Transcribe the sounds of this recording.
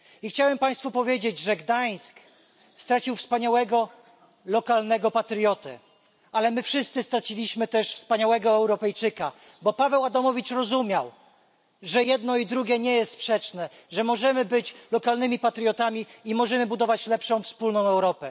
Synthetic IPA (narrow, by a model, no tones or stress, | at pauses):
ixt͡ɕawɛmpaj̃st̪fupɔvʲjed͡ʑed͡ʑʐɛɡd̪aj̃sk | st̪ɾat͡ɕiwfspaɲawɛɡɔ | lɔkalnɛɡɔpat̪ɾjɔt̪ɛ̰ | alɛmɘfʂɘst̪sɘst̪ɾat͡ɕilʲiɕmɘt̪ɛʂfspaɲawɛɡɔɛwɾɔpɛjt͡ʂɘka | bɔpavɛwad̪ɔmɔvʲit͡ʂɾɔzumʲjaw | ʐɛjɛd̪̚nɔid̪ɾuɡʲɛɲɛjɛst̪spʂɛt͡ʂnɛ | ʐɛmɔʐɛmɘbɘt͡ɕlɔkalnɘmʲipat̪ɾjɔt̪amʲiimɔʐɛmɘbud̪ɔvat͡ɕlɛpʂɔ̃w̃fspulnɔ̃w̃ɛwɾɔpɛ